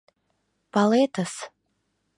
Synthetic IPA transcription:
paletʰas

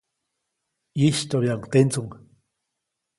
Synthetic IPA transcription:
jiʃt̪oβjaŋt̪ent͡suŋ

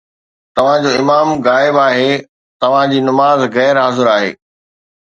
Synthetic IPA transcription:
t̪ɐʋ̤ãd͡ʑoːɪmaːmɣaːɪbaːɦe | t̪ɐʋ̤ãd͡ʑiːnɐmaːzɣɛːɾɦaːzɪɾaːɦḛː

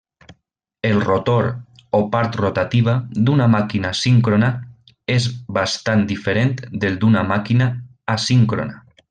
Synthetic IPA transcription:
elrot̪oɾ | opaɾt̪rot̪at̪iβ̞ad̪unamakinasiŋkɾona | ezβast̪and̪ifeɾent̪d̪eld̪unamakinaː | siŋkɾo̰na

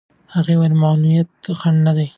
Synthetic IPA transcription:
haɣewaɾmaːnuijat̪̚xaɳɖnad̪aj

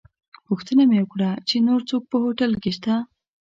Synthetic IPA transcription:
puxt̪ənamewəkɽat͡ʃenoɾt͡sok̚pəhoʈalkeʃt̪a

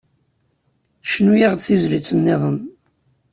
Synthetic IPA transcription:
ʃnujiʁd̪θizlit͡sːənːɪðˤəm

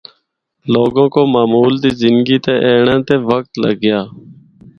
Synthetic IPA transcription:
loːɡõːkoːmaːmuːld̪iːzɪnɡiːt̪eːʔeːɳãːt̪eːʋək̚t̪lə̰ɡɪjaː

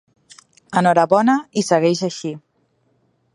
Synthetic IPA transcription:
ənɔɾəβɔnəisəɣɛʃəʃi

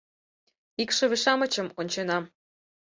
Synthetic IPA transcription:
ikʃɤ̆βeʃɑmə̆t͡ɕə̆monʲt͡ɕenɑm

